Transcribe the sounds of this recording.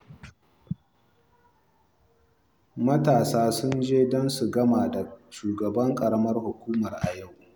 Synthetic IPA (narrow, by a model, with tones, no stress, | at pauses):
mɐ˦taː˨saː˦sʊ˦nd͡ʒeː˦dɔ˦nsu˨ɡɐ˦maː˨da˨ʃuː˨ɡɐ˨bɐ˦ŋkʼɐ˨ɾɐ˦mɐ˦rhʊ˨kʷuː˦mɐ˨rʔa̰˨ja˦˨w